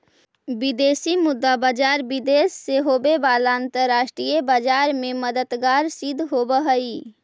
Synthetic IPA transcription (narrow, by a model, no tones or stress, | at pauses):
bid̪esimʊd̪ːabad͡ʒaɾbid̪esːeɦobebalaənt̪əɾaːʃʈɾijebad͡ʒaɾmẽməd̪ət̪ɡaɾsid̪ʱɦobəɦəi